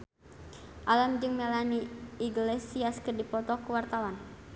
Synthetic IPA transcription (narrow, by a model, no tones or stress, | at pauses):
ʔalamd͡ʒɨŋmelaniiɡlesiaskɨrdipɔt̪ɔkuwart̪awan